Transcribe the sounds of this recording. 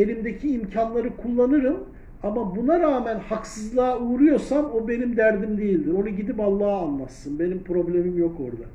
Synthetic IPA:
enimd̪e̞cʰiːmcʰanlˠaɾɯkʰulˠːanɯɾɯm | amabunaɾaːmænhaksɯzlˠaːuːɾujo̞ɾsamo̞be̞nimd̪æɾd̪imd̪ejilʲd̪iɾo̞nuɟid̪ipalˠːaːnlˠat̪sːɯnbe̞nimpʰɾo̞blʲe̞mimjo̞ko̞̰ɾd̪a

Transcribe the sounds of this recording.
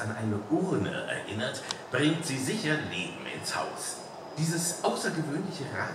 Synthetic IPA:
anʔaɪnəʔʊʁnə̰ʔɛ̰ɐʔɪ̰nɐtb̥ʁɪŋtz̥iːzɪçɐneːbm̩ɪ̰nsha̰ʊs | d̥iːzəsʔaʊsɐɡəvøːnlɪçəʁa̰ː

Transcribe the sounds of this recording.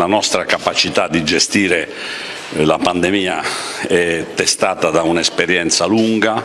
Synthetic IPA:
lanɔst̪ɾakapat͡ʃit̪ad̪ːid͡ʒɛst̪iːɾe | lapand̪ɛmiːa | ɛt̪ːɛst̪aːt̪ad̪aunɛspɛɾjɛnt̪saluŋɡa

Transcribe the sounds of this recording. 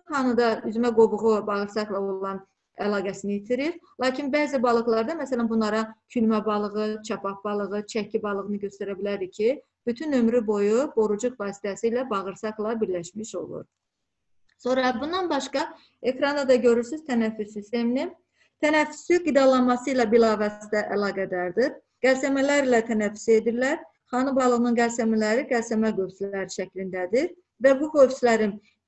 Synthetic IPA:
χɑnɯd̪ɑyzymæɡo̞buɣubɑɣɯɾsɑklˠɑoɾulˠɑn | ælˠɑːɡæsinijit̪ʰiɾiɾlˠɑːcʰinbæːzibɑlˠɯɣlˠɑɾd̪ɑmæsælænbunlˠɑɾɑcʰylmæbɑlˠɯɣɯt͡ʃʰɑpʰɑpb̥ɑlˠɯɣɯt͡ʃʰæcʰːibɑlˠɯɣɯnɯɟø̞st̪æɾæbilæɾd̪icʰi | b̥yt̪ʰynø̞mɾybo̞jubo̞ɾud͡ʒukvɑːsi̥t̪ʰæsiːlæbɑɣɯɾsɑklˠɑbiɾlæʃmiʃo̞̰lˠṵɾ | so̞nɾɑbund̪ɑnbɑʃkɑ | e̞kɾɑnd̪ɑd̪ɑɟø̞ɾyɾsyz̥t̪ʰænæfːysːist̪e̞minin | t̪ʰænæfːysyɡid̪ɑlˠɑnmɑsɯilˠɑbilˠɑːvæsd̪æʔælˠɑːɡæd̪æɾd̪iɾ | ɡ̥ælsæmælæɾilæt̪ʰænæfːy̥se̞d̪iɾlæɾ | χɑnɯbɑlˠɯɣnɯnɡælsæmælæɾiɡælsæmæɡøfslæɾiʃæcʰlind̪æd̪iɾ | væbukøfslæɾin

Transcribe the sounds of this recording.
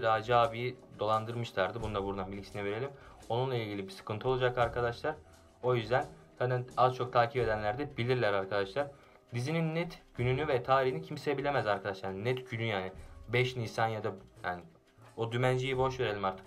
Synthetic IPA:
d̪aːd͡ʒɯaːvijid̪o̞lˠand̪ɯɾmɯʃlˠaɾd̪ɯbund̪abuɾd̪anbilʲicʰisinɛve̞ɾe̞lʲim | o̞nunlˠailʲɟilʲibisɯ̥kʰɯnt̪ʰɯo̞lˠud͡ʒakaɾkʰad̪aʃlˠaɾ | o̞jyzd̪æn | k̪ʰad̪ænazt͡ʃʰo̞k̚t̪ʰaːcʰipe̞d̪ænlʲæɾd̪ɛbilʲiɾlʲæɾaɾkʰad̪aʃlˠaɾ | d̪izininːɛt̪ɟ̥ynynyvɛt̪ʰaːɾihinicʰimseebilʲe̞mæzaɾkʰad̪aʃlˠaɾnɛt̪ɟynyjaːnibɛʃnisanjad̪ajaːni | od̪ymænd͡ʒijibo̞ʃveɾelʲimaɾt̪ʰɯ̥k

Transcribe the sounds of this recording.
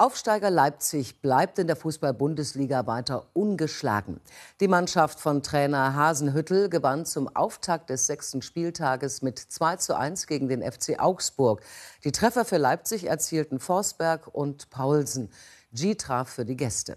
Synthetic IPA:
ʔaʊfʃtaɪɡɐlaɪp̚t͡sɪçb̥laɪp̚tɪndeːɐfuːsb̥albʊndəsliːɡavaɪtɐʔʊnɡəʃla̰ːɡŋ̩d̥iːmanʃaftfɔntʁ̥ɛːnɐɦaːzn̩ɦʏtl̩ɡəvant͡sʊmʔa̰ʊftʰak̚t̚d̥ɛsz̥ɛkstn̩ʃpiːltʰaːɡəsmɪtt͡sv̥aɪt͡suʔa̰ɪnsɡ̥eːɡŋ̩deːnʔɛft͡seːʔaʊksb̥ʊɐkd̥iːtʁ̥ɛfɐfyːɐlaɪp̚t͡sɪçɛ̰ɐt͡siːltn̩fɔɐsb̥ɛɐkʔʊntpʰaʊlzn̩d͡ʒiːtʁ̥aːfːyːɐdiːɡɛstə̰

